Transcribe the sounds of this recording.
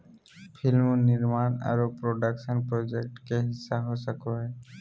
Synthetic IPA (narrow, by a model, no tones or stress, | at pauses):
pʰilmoniɾmana̰ɾopɾoɖakʃənpɾod͡ʒek̚ʈkeɦisːaɦosakɔe